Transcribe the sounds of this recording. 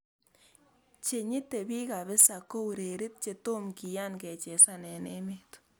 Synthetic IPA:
t͡ʃe˨ɲɪ˦t̪e˨bi˦ka˨bɪ˦sa˨ko˦u˨ɾe˨ɾɪ˦t̪̚t͡ʃe˧to˦mki˨ja˦nkɛ˨t͡ʃɛ˨sa˦nɛ˨ne˦me˦t̪

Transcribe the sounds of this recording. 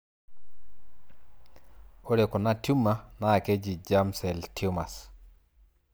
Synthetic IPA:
o˦ɾe˨ko˨na˦tu˦mːa˦naː˦˨ke˦d͡ʒi˨d͡ʒa˦msɛ˨lti˦o˦ma˨s

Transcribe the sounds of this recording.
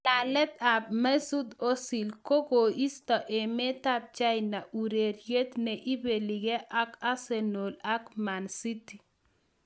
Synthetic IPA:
la˨lɛ˦ta˨p̚ma˦su˦d̪o˦si˨lko˦ɡo˨i˦st̪ɔ˨ʔe˨me˦t̪a˦p̚t͡ʃa˦jna˨ʔu˨ɾe˨ɾje˦t̪ne˨ʔi˦be˨li˨ɡe˦ʔa˦ka˦se˨no˨la˦kma˨nsi˦ti˨

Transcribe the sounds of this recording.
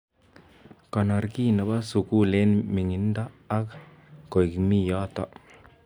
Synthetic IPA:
kɔ˨na˨ɾki˦na˨ba˦su˨ku˦le˦nmi˨ŋɪ˨nda˦ | a˦k | ko˨i˨kmi˦jɔ˦t̪ɔ̰˦

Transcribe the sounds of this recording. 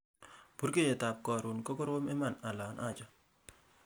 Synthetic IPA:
b̥u˦ɾke˦je˨ta˨p̚kɔ˨ɾʊ˨nko˦ko˦ɾwo˦mɛ˦ma˨na˨la˨nʔa˦˨t͡ʃɔ˦

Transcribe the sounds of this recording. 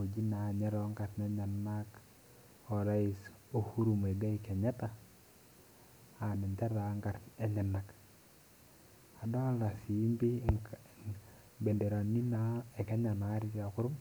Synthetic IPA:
o˨d͡ʒi˦na˨ɲɛ˦ɾɔ˦ŋɡa˨tnɛ˨˦ɲa˨nːa˦k | ɔ˨ɾa˦i˦s | o˦hu˦ɾu˨me˨ɡa˦i˦kɛ˨ɲa˦ta˦ | a˨nɪ˨nta˦ɾa˨˦ŋɡa˨tɛ˦ɲa˨nːa˨k | a˨dɔ˦la˨si˨˦mbi˦ | be˨nde˨ɾa˨ni˦na˨˦ɛ˨kɛ˦ɲa˨na˨˦ɾi˦ta˨kʊ˦ɾʊ˦m

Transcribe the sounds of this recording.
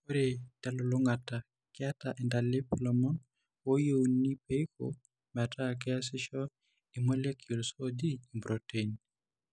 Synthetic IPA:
o˦ɾe˨ta˨lɔ˨lu˦ŋata˨ | kɛa˦taʔi˨ndali˦pilɔmɔn | wo˦jownːi˦pe˦iko | mɛ˨a˨tʰa˦k̬ɛ˦a˦sɪ˦ʃɔ | i˨mo˦le˦kjo˨lso˦d͡ʒi˦mbɾoteɲ

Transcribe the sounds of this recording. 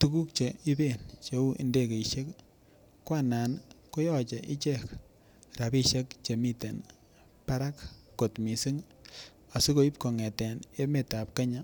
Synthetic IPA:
tu˦ku˦k̚t͡ʃe˨i˦be˦˨nt͡ʃe˦u˦ʔḭ˨nde˦˨ke˨i˨ʃe˦k | kwa˦na˨nko˦jɔ˦t͡ʃɛ˨ʔi˦t͡ʃɛ˦˨k | ɾa˨bi˦ʃe˦kt͡ʃe˨mi˦te˨n | pa˦ɾa˦kː | o˨tmi˨si˦ŋ | a˨si˦ko˨i˦p̚kɔ˨ŋɛ˨tɛ˨ne˦me˨ta˨p̚ke˦ɲa˦

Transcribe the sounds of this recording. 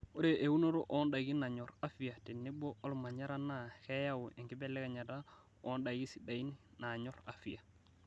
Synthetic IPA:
o˦ɾe˨ʔe˨wu˦no˦ɾo˦ʔo˦nda˨ɡi˦na˨ɲo˨ɾa˦fi˨ja˨ti˨nːi˦bo˦o˦lma˨ɲa˦ɾa˦na˦ke˦ja˦wu˨e˨ŋɡi˦be˦lːɛ˦ka˨ɲa˨da˦ | ɔ˦nda˨ɡi˦si˨da˨i˦nna˨ɲɔ˦ɾa̰˨fi˦ja˨

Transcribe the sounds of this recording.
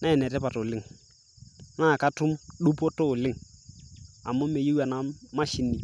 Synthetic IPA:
na˦ɛ˨nɛ˨tɛ˦pa˨tʊ˨lɪ˦ŋ | na˦˨ka˦tʊ˦mɗu˦poɔ˦to˦˨lɪ˦ŋ | a̰˨mʊ˦me˨ji˦wa˨na˨ma˦ʃɪ˨ni˨

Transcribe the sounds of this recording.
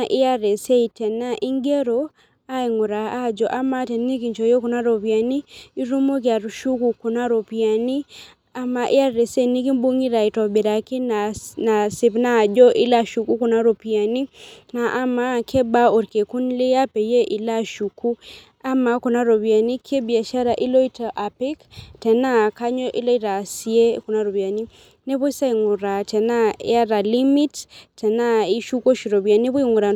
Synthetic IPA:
ʔi˦a˦ɾɛ˨se˦i˨tɛ˨na˦ʔi˦ŋɡe˦ɾo˨ | a˦i˨ŋu˨ɾa˨a˦˨d͡ʒɔ˨ʔa˦ma˦tɛ˨n˦ni˦ki˨ɲt͡ʃo˨jo˦ku˨na˦ɾo˨βja˨niː˦ɾu˦mo˦kja˨ɾu˨ʃu˦ku˨ku˨na˦ɾo˨pi˨a˨ni˦ | a˨ma˨ʔi˦ja˦ɾe˨se˦˨ni˦ki˦mbu˦ŋi˦ɾa˨i˨tɔ˨bi˨ɾa˨ki˦na˨na˨si˨pna˦˨d͡ʒɔ˦ʔi˦la˦ʃu˨ku˦ku˨na˦ɾo˨pi˨a˨ni˦na˨ʔːma˨˦kʰɛ˦ba˦o˨ɾke˨ku˦nlɪ˦a˦pɛ˨je˦ʔi˨la˦ʃu˨ku˦ | a˦ma˨ku˨na˦ɾo˨βi˨a˨ni˦kʰe˦bi˨a˨ʃa˦ɾa˨ʔi˦lɔ˦i˦ta˨ʔa˨pi˦ktɛ˨na˦ka˦ɲɔ˦ʔi˦lɔ˦i˦ɾa˨si˦e˦ku˨na˦ɾo˨βja˨ni˦ | ne˦βo˦i˦sa˦i˨ŋu˨ɾa˨tɛ˨na̰˦a˦ɾa˨li˦mi˦ttɛ˨na˦i˦ʃu˦ko˦ʃi˨ɾo˨βi˨a˨ni˦βu˦i˦ŋɡu˨ɾa˨

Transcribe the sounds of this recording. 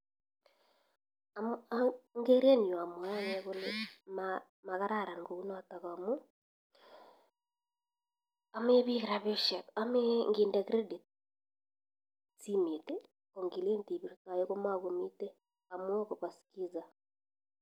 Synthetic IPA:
amaŋɡe˦ɾe˦nɲwa˨mwa˦ɲɛɣo˦lema | ma˨ɣa˦ɾa˨ɾa˨ŋɡo˨u˦nɔ˦ta˨ɣa˨mu˦ | a˨me˦βi˦ɣɾa˨βe˦ʃɛ˨tame˦ŋɡi˨ndɛkɾe˦di˨t | t͡si˦mi˨te˦ | ko˨ŋɡi˨le˦nti˨βi˨ɾta˨je˦ɣo˦ma˦ɣomi˦te˦ | a˨mwɔ˦koβa˨ski˦za˨

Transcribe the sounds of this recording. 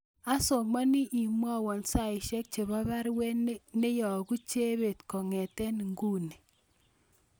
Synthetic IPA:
a˦so˨ma˦ni˦ʔi˨mwa˦wɔ˨nsa˦˨i˨ʃɛ˦k̚t͡ʃe˨βa˦βa˦ɾwɛ˦ne˦ne˦jɔ˨ku˦t͡ʃe˦βe˨tkɔ˨ŋɛ˨tɛ˦n˨ŋɡu˦ne˨

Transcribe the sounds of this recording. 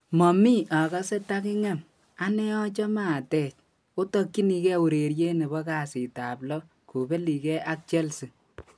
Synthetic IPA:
mɔ˨mi˦ʔa˨kɔ˦se˦ta˦kɪ˦ŋɛ˦˨m | a˦nɛ˦ɔ˦t͡ʃɔ˦ma˦˨tɛ˦˨t͡ʃ | o˦tɔ˦kːi˦ni˧kɛ˦u˨ɾe˨ɾje˦ne˨bɔ˦ka˨si˨ta˨plɔ˦ | ku˨be˦li˨kɛ˦ʔa˦k̚t͡ʃɛ˦lsi˨

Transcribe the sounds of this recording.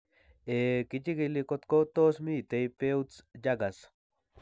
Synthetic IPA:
e˨kit͡ʃi˦ɡili˧ko˧t̪ko˦t̪o˦smi˦t̪e˧jpe˦ut͡sd͡ʒaɡas

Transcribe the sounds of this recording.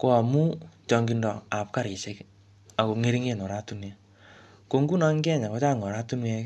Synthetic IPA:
ko˦a˨mu˦t͡ʃɔ˧ŋɡi˦ndɔ˨a˨p̚ka˦ɾi˨se˦k | a˨ko˨ŋe˦ɾi˦ŋe˦˨nɔ˨ɾa˦tu˦nja˨ | ko˦ŋɡu˦na˦ŋ˦ɡɛ˦˨ɲa˨ko˨˦t͡ʃa˦˨ŋɔ˨ɾa˦tu˦nwɛ˧˦k

